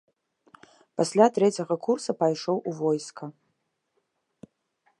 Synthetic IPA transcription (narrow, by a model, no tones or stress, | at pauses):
pasʲlʲatrɛt͡sʲɐɣɐkʰursɐpɐjʂowʔuvojskʰɐ